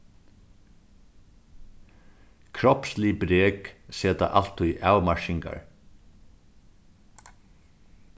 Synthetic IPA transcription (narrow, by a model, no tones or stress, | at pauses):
kʰɾɔpslibɾeːkseːt̪a̰ʔal̥t̪ʰʊjʔaːwmaɹʃɪŋka̰ɹ